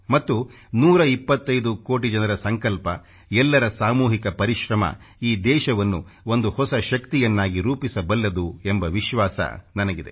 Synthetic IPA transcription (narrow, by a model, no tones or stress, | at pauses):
mɐt̪ːu | nuːɾɐipːɐt̪ːɐjd̪ukoːʈ̬id͡ʒɐnɐɾɐsɐŋkɐlpɐ | ɛlːɐɾɐsaːmuːɦikɐpɐɾiʃɾɐmɐ̰ | iːd̪ɛːʃɐʋɐnːuond̪uhɔsɐʃɐkt̪ijɐnːaːɡiɾuːpisɐbɐlːɐd̪uembɐʋiʃʋaːsɐ̰nɐnɐɡid̪e